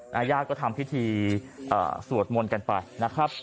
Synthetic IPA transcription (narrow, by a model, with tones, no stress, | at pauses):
ʔaː˧jaː˥˩kɔː˥˩t̪ʰa˧mpʰi˦˥t̪ʰiː˧ʔɤ̰ː˨˩su˨˩ət̪̚mo˧nka˧npa˧jna˦˥kʰɾa˦˥p̚